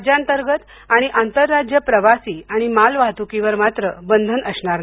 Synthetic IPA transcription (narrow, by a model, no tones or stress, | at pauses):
d͡ʑant̪əɾɡət̪ | aɽ̃iʔant̪əɾːad͡ʑjəpɾəʋasiːaɽ̃imalʋaɦt̪ukiʋəɾmat̪ɾəbənd̪ʱənəsɳaɾna